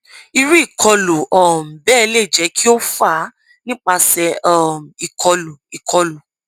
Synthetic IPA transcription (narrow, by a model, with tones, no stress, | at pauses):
i˧ɾi˦i˦˨kʰɔ˧lu˨ɔ˨m̩˨bɛː˦˨˧le˦˨d͡ʒɛ˨˦ki˦o˦fa˦˨˦ | nĩ˦k͡pa˧sɛ˧ɔ˦˨mi˨kʰɔ˧lu˨i˨kʰɔ˧lu˨